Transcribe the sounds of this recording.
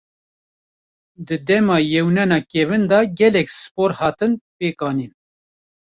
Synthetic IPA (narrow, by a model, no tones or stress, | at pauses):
d̪ɨd̪ɛmɑːjɛwnɛnɑːkʲɛvɨnd̪ɑɡɛlɛksɨ̥poːɾhɑːt̪ɨnpeːkɑːniːn